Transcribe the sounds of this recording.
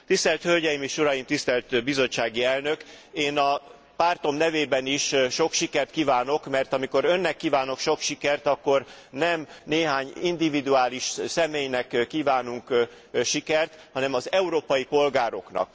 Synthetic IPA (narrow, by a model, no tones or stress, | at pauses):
t̪ist̪ɛlt̪hø̞lɟɛjimeːʃuɾɒjimt̪ist̪ɛlt̪bizo̞t͡ʃːaːɡiɛlnø̞k | eːnɒ | paːrt̪o̞mnɛveːbɛniʃʃo̞kʃikɛrt̪kiːvaːno̞kmɛrt̪ɒmiko̞ɾø̞nːɛkːiːvaːno̞kʃo̞kʃikɛrt̪ɒkːo̞r | nɛmneːɦaːɲind̪ivid̪yaːliʃsɛmeːjnɛkkːiːvaːnuŋk | ʃikɛrt̪hɒnɛmɒzɛuɾoːpɒjipo̞lɡaːɾo̞̰knɒ̰k̚